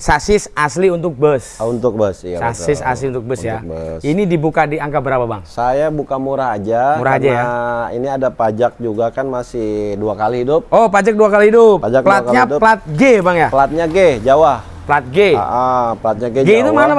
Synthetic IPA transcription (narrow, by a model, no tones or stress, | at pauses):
sasɪsasliunt̪ʊk̚bəsunt̪ʊk̚bəssasɪsa̰sliunt̪ʊk̚bəsjabəsinidibukadiaŋkabəɾapaba̰ŋsajabukamuɾahad͡ʒamuɾahad͡ʒajainiadapad͡ʒak̚d͡ʒuɡakanmasɪduakalihidʊp̚opad͡ʒak̚duakalihidʊppad͡ʒaklat̪ɲaplat̪̚ɡebaŋjaplat̪̚ɲaɡed͡ʒawah | plat̪̚ɡea̰ʔaplat̪̚ɲaɡeɡeit̪umana